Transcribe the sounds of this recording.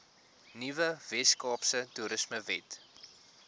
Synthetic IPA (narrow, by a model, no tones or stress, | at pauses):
nivəvɛskɑːpsətuɾəsməvɛt